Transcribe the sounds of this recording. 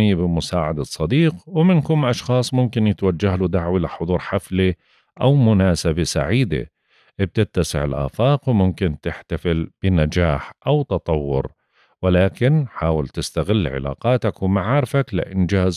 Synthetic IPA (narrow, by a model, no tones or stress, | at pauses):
ijːbɪmʊsaːʕad̪asˤːɑd̪iːqwɪmɪnkʊmʔɑʃxɑːsˤmʊmkɪnjɪt̪wad͡ʒːahlud̪aʕwilaħʊðˤuːɾˤħafli | ʔawmʊnaːsabasa̰ʕiːd̪ḭ | ʔɪb̚t̪ɪt̪ːasɪ̰ʕɪ̰lʔa̰ːfɑːqwmʊmkɪnt̪ɪħt̪afɪlb̥ɪnad͡ʒaːħʔawt̪ɑt̪ˤɑwːʊ̰ɾ | wɪlaːkɪnħaːwɪlt̪ɪst̪aɣɪlːʕɪ̰la̰ːqɑːt̪akwmaʕaːɾfaklɪ̰ʔɪnd͡ʒaːz